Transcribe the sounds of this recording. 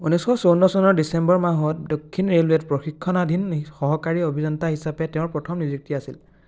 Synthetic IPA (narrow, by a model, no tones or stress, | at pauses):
unɛsxɔsownɔsɔnɔɹdisɛmbɔɹmaɦɔt̚dokʰːinɹelwetpɹɔxikʰːɔnadʱinxɔɦɔkaɹiobʱinɔntaɦisapɛtɛʊ̃ɹpɹɔtʰɔmnizɹik̚tiasil